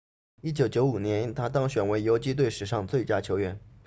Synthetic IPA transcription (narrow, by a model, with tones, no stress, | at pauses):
i˥˩t͡ɕjo˨˩ʊt͡ɕjo˧˥ʊu˨˩njɛ˧˥nt̪ʰa˥t̪ɑ˥ŋɕɥɛ˨˩nwe˧˥ɪjo˧˥ʊt͡ɕi˥t̪we˥˩ɪʂɻ̩˨˩ʂɑ˥˧ŋt͡swe˥˩ɪt͡ɕja˥t͡ɕʰjo˧˥ʊɥɛ˧˥n